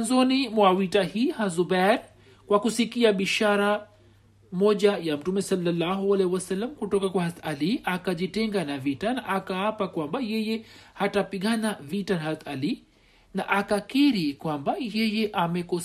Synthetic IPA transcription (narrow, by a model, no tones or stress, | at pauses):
nzɔnimwawitahiːhazubaɾ | kwakusikiaɓiʃaɾa | mɔʄajam̩tumɛsalːalːaɦualɛhiwasalːamkutɔkakwahazaliakaʄitɛŋɡanavitanaʔakaapakwambajɛjɛhatapiɠanavitanhatali | naʔakakiɾikwambajɛjɛʔamɛkɔ